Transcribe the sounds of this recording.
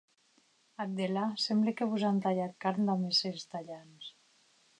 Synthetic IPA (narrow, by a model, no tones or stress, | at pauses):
at̪̚d̪elasemblekeβuzant̪aʎat̪̚kaɾnd̪ameselst̪aʎans